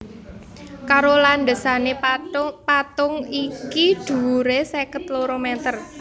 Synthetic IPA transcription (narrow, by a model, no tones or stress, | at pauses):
kaɾoland̪ə̤sanepat̪ʊŋikid̪̥ṳuɾesekət̪loɾomɛt̪ər